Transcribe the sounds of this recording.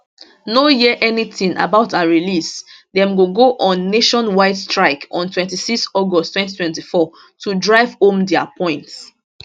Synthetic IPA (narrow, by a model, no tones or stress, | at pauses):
nojiʔɛniθĩŋa̰baʊtãnɹilisdɛ̃mɡoɡoʔɔ̃nːeʃɔ̃nwaɪdstɹaɪkɔ̰̃ntʰwɛ̃ntisikstɔɡɔstːwɛ̃nti̥twɛ̃ntifɔ | tʰudɹaɪvhõmdɛa̰pʰɔ̃ɪ̃nts